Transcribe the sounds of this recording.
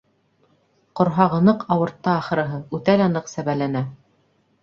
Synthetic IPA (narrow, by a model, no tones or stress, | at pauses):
qŏɾɦɑʁɤ̆nɤqɑwɤ̆ɾt̪ːɑːχɤ̆ɾɤ̆ɦɤʉt̪ælɑnɤqsæβælænæ